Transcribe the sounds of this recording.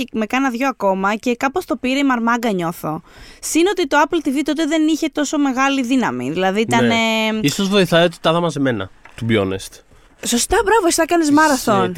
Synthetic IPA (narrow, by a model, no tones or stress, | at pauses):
eme̞kɐnɐðʝo̞ɐko̞mɐce̞kɐpo̞st̪o̞piɾeimɐɾmɐɡɐɲo̞θo̞sinot̪it̪o̞ɐplt̪ivit̪o̞t̪̬e̞ðe̞niçe̞t̪o̞so̞me̞ɣɐliðinɐmḭðilɐðiit̪ɐnneisozvo̞iθɐiot̪i̥t̪ɐðɐmɐseme̞nɐ̰t̪ubjo̰nḛst̪ | so̞st̪ɐbɾɐvost̪ɐkɐnezmɐɾɐθon